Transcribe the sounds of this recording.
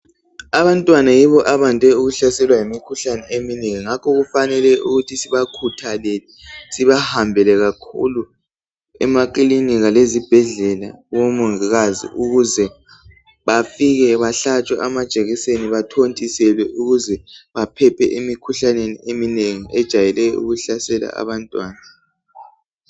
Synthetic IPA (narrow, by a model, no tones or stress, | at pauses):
aβantʼwanajiβɔʔaβandʱɛuɣuɬasɛlwajimikʰuɬanɛemineŋiŋakʰɔɣufanɛlɛṵɣutʰisiβakʰutʰalɛlɛsiβahambʱɛlɛɣakʰṵlu | ɛ̰makiliniɣalezib̥ʱɛɮɛla̰ɣomuŋiɣazḭʔuɣuzɛ | βafiɣɛβaɬat͡ʃʼwaʔamad̥ʒ̥ʱeɣiseniβatʰontʼisɛlwɛʔuɣuzɛβapʰɛpʰɛ̰ʔimikʰuɬanenḭemineŋiʔɛd̥ʒ̥ʱajɛlɛjɔṵɣuɬasɛla̰a̰βantʼwaːna